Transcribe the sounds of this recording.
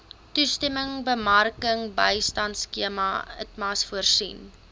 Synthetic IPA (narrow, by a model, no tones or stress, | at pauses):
tustɛməŋbəmɐrkəŋbəjstɐntskiəmɐ̰ə̰tmɐːsfuərsḭn